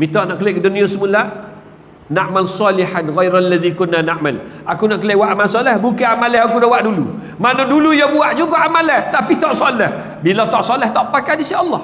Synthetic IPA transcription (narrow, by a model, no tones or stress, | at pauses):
mit̪ɔʔnaʔkəleʔkdunĩosəmula | naʔmalsɑliħanɣajɾalːaðikʊnːanaʔmalʔakunaʔkəlewaʔamalsɔlɛhbukaamalɛhakudawaʔdulu | manadulujabuaʔd͡ʒuɡaʔamalɛht̪apit̪ɔʔsɔlɛh | bilat̪ɔʔsɔlɛht̪ɔʔpakadisiɑlːɑh